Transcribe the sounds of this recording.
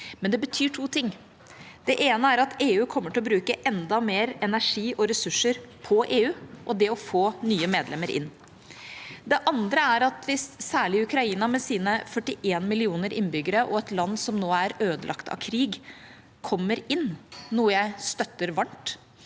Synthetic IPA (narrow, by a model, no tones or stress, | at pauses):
mɛnd̪ɛbət̪ʰyːʈʰuːt̪ʰɪŋː | d̪̥ɛʔeːnəæɾɑt̪ʰeːʉːkʰɔmːəʈɪlɔbɾʉːkəʔɛnd̪ɑmeːɾɛnæʂiːʔɔɾɛsʉʂːəɾpʰɔʔeːʉːʔɔd̪ɛɔfoːnyːəmeːd̪lɛmːəɾʔɪ̰nː | d̪ɛʔɑnd̪ɾəæɾɑt̪ʋɪsːæːɭɪʉkɾɑiːnɑmɛsiːnəfœʈːɪʔeːnmɪlɪuːnəɾʔɪnbʏɡəɾəʔɔɛt̪lɑnːsɔmnoːæɾøːd̪əlʔɑ̰kt̪ʰɑ̰kʰɾiːɡ | kʰɔmːəɾɪnːuːəjæɪst̪œt̪ːəɾʋɑɳʈ